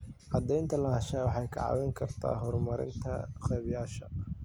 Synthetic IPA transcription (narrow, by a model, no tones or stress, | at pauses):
ʕɑd̪ɛjnt̪ʰɐlɐɦɐʃɛːwɑħɑjkʰɐ̰ʕɑ̰wɛŋkʰɐrt̪ʰa̰ːɦɔrmɐɾɪ̰nt̪ʰɐ̰qɛːβjaːʃɐ